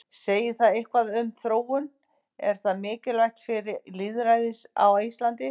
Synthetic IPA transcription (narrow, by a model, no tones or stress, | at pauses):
seːjɪθaðejhkvaðʏmθɾoːwʏn | ɛɾ̥θaðmɪːcɪlajht̪fɪɾɪliðɾajðɪsa̰wist̪lant̪ɪ